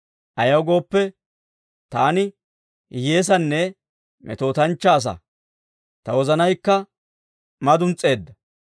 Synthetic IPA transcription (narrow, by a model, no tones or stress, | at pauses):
ʔɐjɐwɡo̞ːpːɛ | t̪aːnɪ | je̞ːs̬ɐnːɛ | mʔɛ̰t̪o̞ːt̪ɐnt͡ʃːaːs̬ɐ̰ | t̪ɐwɔzɐnɐjkːɐ | mɐd̪ʊnt͡sʼːe̞ːd̪ːɐ